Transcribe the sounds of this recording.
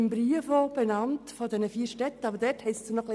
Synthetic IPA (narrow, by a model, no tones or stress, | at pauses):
ɪmbɾiəfob̥ɛnɑnt̪fɔdɛnəfiːɾʃtɛt̪ːəɑbəɾdɛɾthɛsdunɔχli